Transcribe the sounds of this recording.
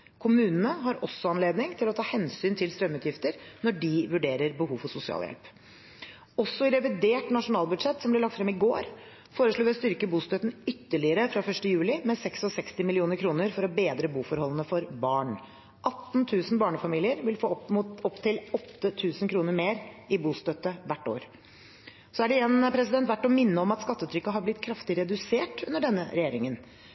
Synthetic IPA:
kʰʊmʉːnənəɦɑɾɔsːɔɑnleːd̪nɪŋt̪ʰɪlɔt̪ʰɑːhɛnsyːnt̪ʰɪlst̪ɾœmʉːt̪jɪft̪əɾnɔɖɪʋʉɖeːɾəɾbəhuːʋfɔsʊsɪɑ̰ːljɛ̰lp | ɔsːɔɪɾɛʋɪd̪eːʈnɑʂʊnɑːlˠbʉd̪ʂɛt̪ːsɔmb̪lɪɭɑkt̪fɾɛmɪɡoːɾ | foːɾəʂɭuːʋɪst̪ʏɾkəbuːst̪œt̪n̩ʏt̪ːəɭɪəɾəfɾɑfœʂʈəjʉːlɪmɛsɛksɔsɛkst̪ɪmɪlɪuːnəɾkʰɾuːnəɾfɔɾɔbeːd̪ɾəbuːfɔɾhɔlːənəfɔɾbɑːɳ | ʔɑt̪nt̪ʰʉːsnbɑːɳəfɑmiːlɪəɾʋɪlfoːmut̪ɔpt̪ʰɪlɔt̪ːət̪ʰʉːsnkʰɾuːnəɾmeːɾɪbuːst̪œt̪ːəʋæʈːo̰ːɾ | sɔæɖɛɛnpʰɾɛsɪd̪ɛnt̪ʋæʈːɔmɪnːəɔmɑt̪skɑt̪ːət̪ɾʏkːəɦɑɾblɪt̪ːkʰɾɑft̪ɪɾɛd̪ʉseːʈʉnd̪əɖɛnːə̰ɾɛjeːɾɪŋən

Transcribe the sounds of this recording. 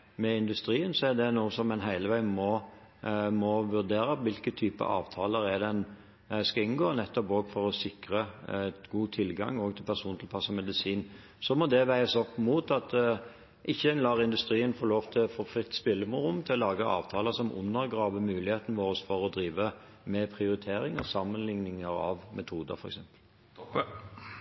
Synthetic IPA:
mɛɪnd̪ʉst̪ɾiːənsɔæd̪ɛnuːəsɔmːɛnɦæɪləʋæɪənmɔ | mɔʋʉʁd̪eːɾəʋɪlkət̪ʰyːpə̰ʔɑ̰ːʋt̪ʰɑːləɾɛd̪ɛn | skɑɪnɡoːnɛt̪ːɔpoːɡfɔɾɔsɪkɾət̪ɡuːt̪ʰɪlɡɑ̰ŋːoːɡt̪ʰɪlpʰæʁsuːnt̪ʰɪlpʰɑsːɔmɛd̪ɪsiːn | sɔmɔd̪ɛʋæɪəsɔpːmuːt̪ɑt̪ | ʔɪçːənlɑːʁɪnd̪ʉst̪ɾiːənfoːɾloːʋt̪ʰɪlfoːfʁɪt̪ːspɪlːəmʊɾʊmːt̪ʰɪlɔlɑːɡəʔɑ̰ːʋt̪ʰɑːləsɔmʊ̰nːəɾɡɾɑːʋəmʉːlɪheːt̪nəʋoːɾəsfɔɾɔd̪ɾiːʋə | mɛpʰʁɪʊɾɪt̪ʰeːɾɪŋə̰sɑmːənlɪŋnɪŋəɾɑ̰ʋmʔɛt̪ʰuːd̪ə̰ɾfɔɾɛ̰ksɛmpəl

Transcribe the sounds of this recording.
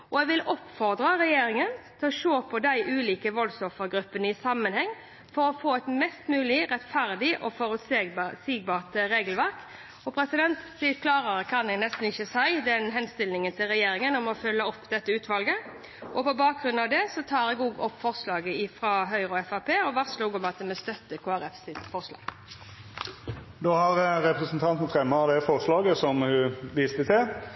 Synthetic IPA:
ɔɛɡʋɪlɔpːfɔʁd̪ʁəʁɛjeːɾɪŋənt̪ʰɪlɔʃoːpʰɔd̪æɪʔʉːliːkəʋɔlsɔfəʁɡɾʉpːənəɪsɑmːənhɛŋː | fɔɾɔfoːɛt̪mɛst̪mʉːlɪɾɛt̪fæʁd̪ɪʔɔfɔɾʉt̪ssiːɡ̚bɑːʁt̪ɾeːɡəlʋæʁk | ɔpʰɾɛsɪd̪ɛnt̪sɪkʰlɑːʁəʁkʰɑnɛnɛst̪n̩ɪçːəsæɪd̪ɛnɦɛnst̪ɪlnɪŋənt̪ʰɪlʁɛjeːɾɪŋənɔmɔfœlːəɔpːd̪ɛt̪ːəʉːt̪ʋɑlɡə | ʔɔpɔbɑːk̚ɡʁʉnɑʋd̪ɛsɔt̪ʰɑːʁɛɡuːɡɔpːfɔʁslɑːɡəɪfʁɑɦœʏʁɔɛfɑpʰeːɔʋɑʁsluːɡɔmɑt̪̚d̪ɛmɛst̪œt̪ːəkʰoːæʁɛfsɪt̪fɔʁslɑ̰ːɡ̥ | d̪oːhɑʁɾɛpʁɛsn̩t̪ʰɑnt̪n̩fɾɛmːɑd̪ɛfɔʁslɑːɡəsɔmhʉʋiːst̪ət̪ʰɪl

